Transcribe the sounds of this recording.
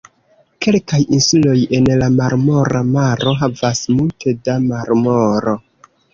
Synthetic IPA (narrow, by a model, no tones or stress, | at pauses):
ke̞lkajinsulo̞je̞nlamaɾmo̞ɾamaɾo̞ɦavasmultʰe̞damaɾmoɾo̞